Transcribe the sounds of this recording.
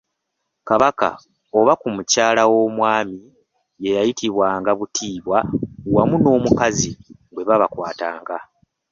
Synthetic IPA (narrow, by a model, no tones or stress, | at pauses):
kaβaka̰ | o̞βakumucaːlawo̞mwaːmi | je̞jajitiβwaːŋɡaβutʰiːβwawamuno̞ːmukaziɡwe̞βaβakwaːta̰ːŋɡa